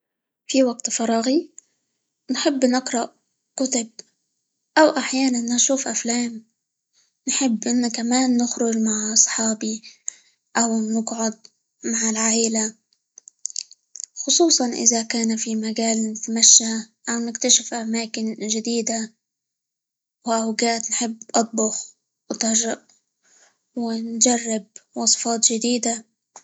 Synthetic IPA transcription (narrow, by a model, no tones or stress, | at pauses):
fiwaɡ̚t̪fɑɾˤɑːɣi | nħɪbːnɪqɾˤɑʔ | kʊt̪ʊb̚ | ʔawʔaħjaːnanːanʃuːfʔaflaːm | nħɪbːʔɪnːakamaːnːɪxɾʊd͡ʒmaʕʔɑsˤħɑːbi | ʔawnɪɡʕʊd̪̚ | maʕɪlʕaːʔɪla | xʊsˤuːsˤɑnʔɪ̰zakaːnafimaɡaːlnɪt̪maʃːaʔawnɪkt̪aʃɪfʔamaːkɪnʒɪd̪iːd̪a | wʔawɡaːt̪nħɪbːʔɑt̪̚ˤbʊx | wt̪ɪʒaʔ | wɪnd͡ʒarːɪb̚wɑsˤɨ̥fɑːt̪ˤʒɪd̪iːd̪a